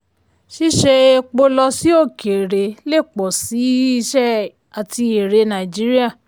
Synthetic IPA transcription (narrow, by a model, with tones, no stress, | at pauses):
ʃi˦ʃe˧e˧k͡po˧lɔ˧si˦o˦˨kʰe˨ɾe˨le˦˨k͡pɔ˨si˨˦i˦˧˦ʃɛ˦ | a˨ti˧e˨ɾe˧nã˨d͡ʒi˨˦ɾi˦a˦˨